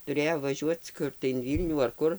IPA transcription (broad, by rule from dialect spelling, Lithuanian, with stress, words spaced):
tʊˈrʲeːjoː ʋɐˈʒʲuɔt͡s ˈkʊr tɐɪ ɪn ˈʋʲiːlʲnʲuː ɐr ˈkʊr